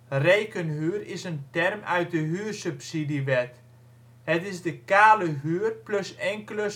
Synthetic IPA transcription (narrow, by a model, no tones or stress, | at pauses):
rejkənɦyːrɪsəntɛrmœ̰ɥt̚dəɦyːrsypsidiʋɛt | hətɪzdəkaːləɦyːərpløsɛŋkələ